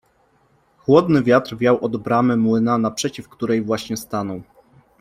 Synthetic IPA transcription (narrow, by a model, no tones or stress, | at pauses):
xwɔd̪nɘvʲjat̪ɾvʲjawʔɔd̪bɾamɘmwɘnanapʂɛt͡ɕifkt̪uɾɛjvwaɕɲɛst̪anɔw